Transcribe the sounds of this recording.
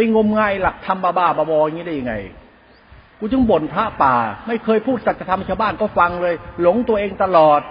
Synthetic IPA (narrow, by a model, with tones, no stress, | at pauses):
pa˧ŋo˧mŋaː˧˩jla˨˩k̚t̪ʰa˧mbaː˧baː˧˩baː˧bɔː˧ʔa˧ŋi˦˥daː˥˩ja˧ŋa̰˧˩j | kuː˧t͡ɕɯ˧˥˩ŋbo˨˩npʰɾa˦˥ʔpaː˨˩ma˥˩jkʰɤː˧jpʰuː˥˩t̪̚sa˨˩t̚t͡ɕa˧t̪ʰa˧mt͡ɕʰaː˧˥˩wbaː˥˩nkɔː˥˩fa˧ŋlɤː˧jlo˩˦ŋt̪u˧ɐʔeː˧ŋt̪a˧lɔː˨˩t̪̚